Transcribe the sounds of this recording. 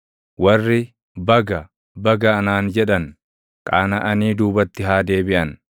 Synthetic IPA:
wɐrːɪ | bɐɡɐ | bɐɡɐːnaːnd͡ʒɛᶑɐn | kʼaːnɐʔɐniːd̪uːbɐt̪ːɪɦaːd̪e̞ːbɪʔɐn

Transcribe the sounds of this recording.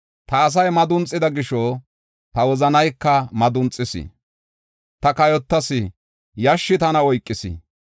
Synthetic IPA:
t̪ɐːs̬ɐjmɐd̪ʊnt͡sʼːɪd̪ɐɡɪʃɔ | t̪ɐwɔzɐnɐjkːɐmɐd̪ʊnt͡sʼːɪsɪ̰ | t̪ɐkɐjɔt̪ːɐsɪ | jɐʃːɪt̪ɐnɐɔjkʼːɪsɪ̰

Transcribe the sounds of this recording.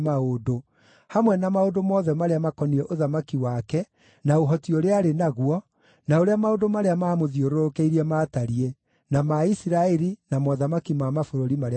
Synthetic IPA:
aodo | hamwɛnamaodomɔːðɛmaɾeamakɔniɾɛʔoðamakiwakɛ | naoɦɔtioɾeaɾenaɣwɔ | naoɾeamaodomaɾeamamoðioɾoɾokeiɾiɛmaːtaɾie | namaisiɾaɛɾinamɔðamakimamafoɾoɾimaɾe

